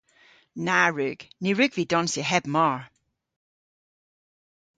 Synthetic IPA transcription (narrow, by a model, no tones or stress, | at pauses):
naɹʉɡ̥niɹʉɡ̥vidɔnsiɦɛb̥̚mɔɹ